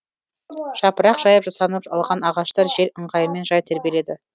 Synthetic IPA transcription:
ʒ̥ɑpəɾɑqʒ̥ɑjəpʒɑsɑnəpɑlˠʁɑnɑʁɑʃt̪ɑɾʒe̞ɾəɴʁɑjəme̞nʒɑjt̪ʰæɾbiele̞d̪ɪ

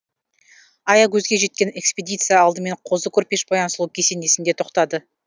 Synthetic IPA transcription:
ɑjɑkʲʰɵzɡʲe̞ʒe̞t̪̚kʲe̞ne̞kspʲed̪ʲijt̪sɨjaɑlˠd̪əme̞ɴqʰo̞zəkʲʰɵɾpe̞ʃbojˠɑnsəlˠəp̚kʲʰese̞nd̪e̞sɪnd̪e̞t̪ʰo̞qt̪ɑd̪ə

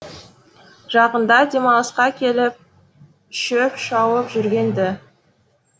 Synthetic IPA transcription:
ʒ̥ɑqənd̪ɑd̪ʲe̞mɑlˠəsqɑkʲʰe̞lɪp̚ | ʃɪpʃɑwəpʒʏɾɡʲe̞nd̪ɪ

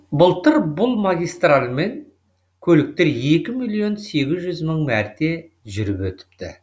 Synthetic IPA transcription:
bʊlˠt̪əɾbʊlˠmaɡʲijst̪ralʲme̞ŋ | kʲʰɵlɪk̚t̪e̞ɾje̞kʲɪmijlˠijo̞nse̞ɡʲɪzʒʏzməɴmæɾt̪e̞ | ʒʏɾɪpwɵt̪ɪ̥p̚t̪ɪ̰

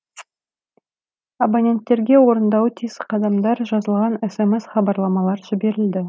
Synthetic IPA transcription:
abanʲe̞nt̪ːe̞ɾɡʲe̞wo̞ɾənd̪ɑwət̪ʰijsqʰɑd̪ɑmd̪ɑɾʒɑzəlˠʁɑnesemesχɑbɑɾlˠɑmɑlˠɑɾʒɪbe̞ɾɪld̪ɪ

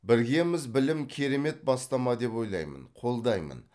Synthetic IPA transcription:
bɪɾɡʲe̞mɪzbɪlɪmkʲʰe̞ɾe̞me̞t̪̚bɑst̪ɑmɑd̪e̞pwo̞jlˠɑ̰jmə̰nqʰo̞lˠd̪ɑjmə̰n

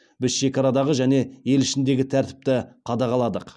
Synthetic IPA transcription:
bɪzʃe̞kʲɑɾɑd̪ɑʁəʒæne̞je̞lɪʃɪnd̪e̞ɡʲɪt̪ʰæɾt̪ɪ̥p̚t̪ɪqʰɑd̪ɑʁɑlˠɑd̪əq

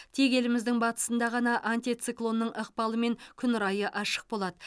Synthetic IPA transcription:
t̪ʰe̞ɡʲe̞lɪmɪzd̪ɪŋbɑt̪ə̥sənd̪ɑʁɑnɑʔanʲt̪ʲit̪siklˠo̞nːəɴʔəq̚pɑlˠəme̞ŋkʲʰʏnɾɑjəʔɑʃə̥q̚bo̞lˠɑd̪ə

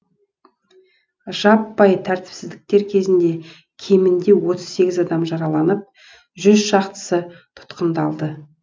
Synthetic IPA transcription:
ʒ̥ɑpːɑjt̪ʰæɾt̪ɪ̥psɪzd̪ɪk̚t̪e̞ɾkʲʰe̞zɪnd̪e̞ | kʲʰe̞mɪnd̪e̞wo̞t̪əz̥se̞ɡʲɪzɑd̪ɑmʒɑɾɑlˠɑnəp̚ | ʒʏzʃɑqt̪ə̥sət̪ʰʊ̥t̪qənd̪ɑlˠd̪ə

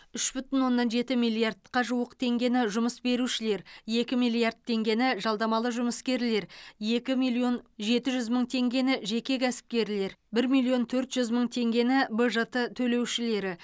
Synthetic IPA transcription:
ʏʃbʏt̪ɪnwo̞nːɑnʒe̞t̪ɪmilˠijard̪qɑʒuwəqt̪ʰe̞ŋɡʲe̞nɪʒʊməsbe̞ɾuʃɪle̞ɾje̞kʲɪmijlˠijard̪̚t̪ʰːe̞ŋɡʲe̞nɪʒɑlˠd̪ɑmɑlˠəʒʊməskʲe̞ɾle̞ɾje̞kʲɪmilˠio̞nʒe̞t̪ɪʒʏzməɴt̪ʰe̞ŋɡʲe̞nɪʒe̞kʲe̞kʰʲæsɪ̥p̚kʲe̞ɾle̞ɾbɪɾmilˠio̞nt̪ʰɵɾt̪ʒ̥ʏzməɴt̪ʰe̞ŋɡʲe̞nɪbəʒət̪ət̪ʰɵle̞wʃɪle̞ɾɪ

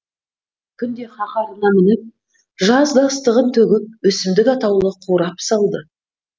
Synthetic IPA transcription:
kʲʰʏnd̪e̞χɑqɑɾənɑmɪnɪp̚ | ʒɑzd̪ɑst̪əʁənt̪ʰɵɡʲɪp̚wɵsɪmd̪ɪkɑt̪ɑwllˠəqʰuɾɑpsɑlˠd̪ə

